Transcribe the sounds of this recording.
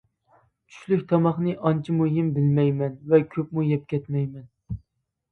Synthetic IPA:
t͡ʃʰy̥ʃlykʲt̪ʰɑmɑχnɨʔɑnt͡ʃʰimuɦimbɪlmɛjmɛnvɛkʲʰøpmujɛp̚kʲɛt̪mɛjmɛn

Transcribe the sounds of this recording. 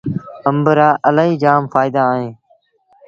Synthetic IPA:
əmbəɾaːʔəlaːɦiːd͡ʒaːmfaːɪd̪aːɦẽː

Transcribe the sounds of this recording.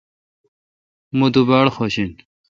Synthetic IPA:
mud̪ubaɽxoɕin

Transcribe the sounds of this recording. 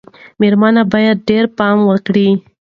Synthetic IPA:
meɾmɑnabɑjad̪̚ɖeɾpɑmwəkɽi

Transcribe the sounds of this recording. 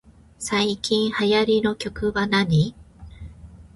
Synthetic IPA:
saikʲĩɰ̃hajaɾʲino̞kʲo̞kɯ̟βanaɲi

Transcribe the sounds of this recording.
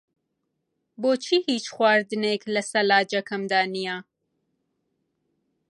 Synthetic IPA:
boːt͡ʃʰiːhiːt͡ʃxwaːɾd̪ɨneːklɐsɐlaːd͡ʒɐkʰɐmd̪aːnija

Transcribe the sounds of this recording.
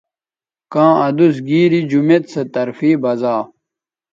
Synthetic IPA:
kãːɐd̪us̬ɡiːɾid͡ʑumet̪sɐt̪ɐɾfiːbɐzaː

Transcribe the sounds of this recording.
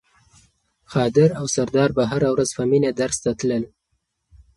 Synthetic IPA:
xɑd̪ɪɾawsaɾd̪ɑɾbaɦaɾawɾazfaminad̪aɾst̪at̪ləl

